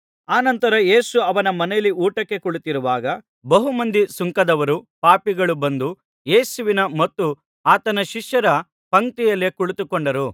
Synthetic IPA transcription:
aːnɐnt̪ɐɾɐje̞ːsuɐʋɐnɐmɐnɛjɐlːiuːʈɐkːe̞kuɭut̪iɾuʋaːɡɐ | bɐɦumɐnd̪isuŋkɐd̪ɐʋɐɾupaːpiɡɐɭubɐnd̪u | je̞ːsuʋinɐmɐt̪ːu | aːt̪ɐnɐʃiʂjɐɾɐ | pɐŋt̪ijɐlːekuɭut̪ukoɳɖɐɾu

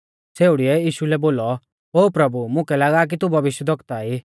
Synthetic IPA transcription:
t͡seːʊɽiɛiːʃulɛboːlɔ | ɦoːpɾɐbumʊ̃kɛlaːɡaːk̬it̪ubʱɐʋɪʃjəd̪ʱʋɔkt̪ai

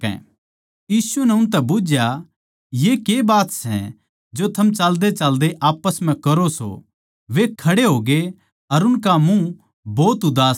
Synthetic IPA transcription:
ɛ̰̃ː | jiːsunɛʊnt̪̬ɛbʊd͡ʒja | jekeːbaːt̪sɛ̰ | d͡ʒot̪ʰɐmt͡ʃald̪et͡ʃald̪eʔaːpəsm̤ɛ̃kɐɾoso̰ | ʋekʰːɐɽeɦoːɡe | ɐɾʊnkamũ | bɔːt̪ʊd̪aː

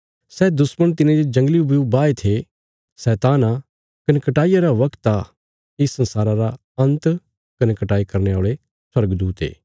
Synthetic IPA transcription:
sɛːd̪ʊsmənt̪ɪnẽd͡ʒed͡ʒɐ̃ŋɡliubijubaːet̪ʰe | sɛːt̪aːna | kɐnɛkɐʈaːijaɾaʋɐkt̪a | ɪsɐ̃nsaːɾaɾa | ɐ̃nt̪ | kɐnɛkɐʈaːikɐɾneaːɭe | swɐɾɡd̪uːt̪ḛː

